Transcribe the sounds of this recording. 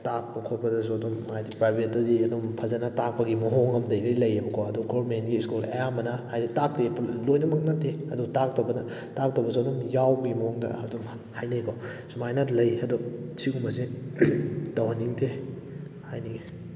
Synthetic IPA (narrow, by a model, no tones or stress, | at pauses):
tak̚pɐkʰot̚pɐdɐs̬uɐdumajdipɾajbʱetːɐdiɐdumpʰɐzɐnɐtak̚pɐɡimɐɦoŋɐmdɐjɾijlɐjebɐkʰɔɐduɡɔbɾmentɡiːskulɐjamɐnɐhajditak̚teplojnɐmɐk̚natːeɐdutak̚tɐbɐnɐ | tak̚tɐbɐs̬uɐdumjawbɐɡimɐhoŋdɐ̰hɐdum | hajnejkʰɔsumajnatlɐjɐdusiɡumɐsi | dawhaniŋtʰe | hajniɡi